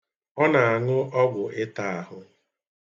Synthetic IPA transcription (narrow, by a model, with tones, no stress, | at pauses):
ɔ˦na˨a˨ŋʊ˦ʔɔ˦ɡʷʊ˨ʔɪ˦ta˦a˨ɦʊ˨